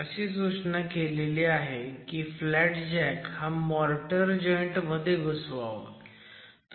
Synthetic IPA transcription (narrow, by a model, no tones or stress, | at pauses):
əɕiːs̬ut͡ɕnəkeleliːaɦekiːflæʈd͡ʑɛkhamɔɾʈəɾd͡ʑɔjɳʈməd̪ʱːjeɡəsʋa̰ʋə̰ | t̪